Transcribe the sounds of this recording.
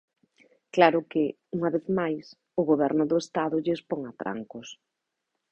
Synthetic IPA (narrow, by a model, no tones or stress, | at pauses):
klaɾʊkɪ | uŋaβeθmajs | ʊɣoβ̞ɛɾnʊðʊest̪aðʊʎɪspoŋat̪ɾa̰ŋkʊs